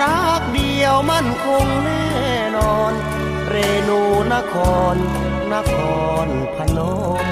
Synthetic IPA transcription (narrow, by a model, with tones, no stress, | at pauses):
ɾa˦˥˩k̚di˧əwma˥˩nkʰo˧ŋnɛː˥˩˨ | nɔː˧n | ɾeː˧nuː˧na˦˥˨kʰɔː˧nː | a˥˨kʰɔː˧n | pʰa˧nɔː˦˥